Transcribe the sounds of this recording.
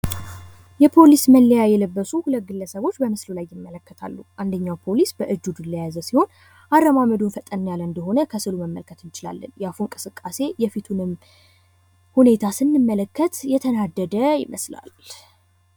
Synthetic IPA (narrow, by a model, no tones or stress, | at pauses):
jɛpʰo̞lisməlːəjajɛləbːəsuhulət̪̚ɡɨlːəsəβo̞t͡ʃːbəməslulajːɪmːələkːət̪ʰa̰lːuʔand̪əɲːawpʰo̞lisbəʔɨd͡ʒːud̪ulːəjazəsiho̞n | ʔarːəmaməd̪unfət̪ʼənːjalɨnd̪əɦo̞nəkʰəsɨluməmːə̰lkʰət̪ɨnt͡ʃɪla̰lːənjafuŋkʼɨsɨkʼːase̞jɛfit̪ʰunɨm | hune̞t̪ʰasɨnːɨmːələkʰːət̪jɛt̪ʰənad̪ːəd̪əjɪ̰məsla̰l